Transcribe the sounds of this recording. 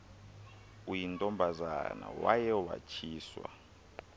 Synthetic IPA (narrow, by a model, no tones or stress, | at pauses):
ujintʼɔmbʱazana̰wajɛwat͡ʃʰiːswa̰